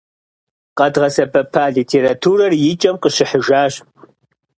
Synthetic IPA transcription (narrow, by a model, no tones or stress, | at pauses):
qʼɐdʁɐsɐbɐpʰaːɮiːtʰeːɾatʰuːɾɐrjɪt͡ʃʼɐmqəɕɪħəʒaːɕ